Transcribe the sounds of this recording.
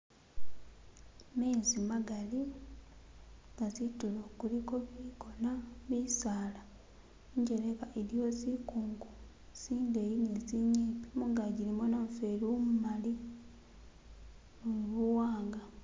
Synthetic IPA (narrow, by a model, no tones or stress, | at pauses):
mezimaɡali | ɡazitulokuliko̞βiko̞naβisaːla | ɲɟeneβaʔeɾijo̞zikuːŋɡu | z̥iːndejineziɲːiːpi̥muŋɡaɟiɾimonofelomumali | muuβuwaːŋɡa